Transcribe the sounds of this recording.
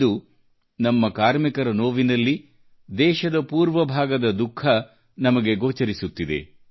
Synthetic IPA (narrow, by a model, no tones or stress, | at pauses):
d̪u | nɐmːɐkaːɾmikɐɾɐnoːʋinɐlːi | d̪ɛːʃɐd̪ɐpuːɾʋɐbʱaːɡɐd̪ɐd̪ukʰːɐ | nɐmɐɡe̞ɡoːt͡ʃɐɾisut̪ːid̪ḛ